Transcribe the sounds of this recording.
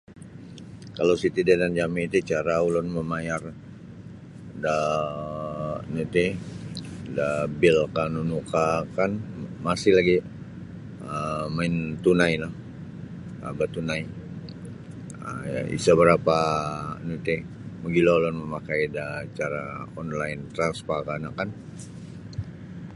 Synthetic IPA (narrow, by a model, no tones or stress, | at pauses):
kalawsit̪idadand͡ʒamit̪it͡ʃaɾaulɔnməmajar | da | nut̪i | dabɪlkanunukakanmasɪlaɡi | əmaɪnt̪unajlah | a̰bat̪unaj | ə̰ḭsabəɾapanut̪e | məɡilolɔnməmakajdat͡ʃaɾaɔnlaɪnt̪ɾanspakanakan